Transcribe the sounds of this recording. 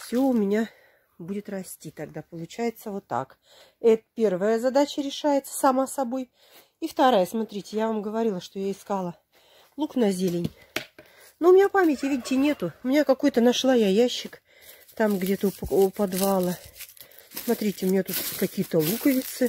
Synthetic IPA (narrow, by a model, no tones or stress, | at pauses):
fsʲɵʊmʲɪnʲa | budʲɪt̪rɐsʲtʲit̪ɐɡd̪apəlˠʊt͡ɕæjɪt̪səvot̪ːa̰k | ɛt̪əpʲe̞rvəjəzɐd̪at͡ɕəɾʲɪʂajɪt̪sə̥sɐmasɐbo̞j | ift̪ɐɾajəsmɐt̪ɾʲitʲɪjavamɡəvɐɾʲilˠəʂt̪o̞jaɪskalˠə | lˠuknɐzʲelʲɪnʲ | noʊmʲɪnʲapamʲɪtʲɪvʲidʲɪtʲɪnʲe̞t̪ʊʊmʲɪnʲakɐko̞jt̪ənɐʂlˠajajaɕːɪk | t̪amɡdʲe̞t̪əʊpʊpɐd̪valˠə | smɐt̪ɾʲitʲɪʊmɪnʲat̪ut̪kɐkʲijət̪əlˠukəvʲɪt̪sɨ